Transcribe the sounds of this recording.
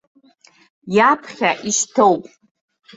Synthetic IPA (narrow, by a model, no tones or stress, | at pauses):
japʰχʲaʔiʃtʰowpʼ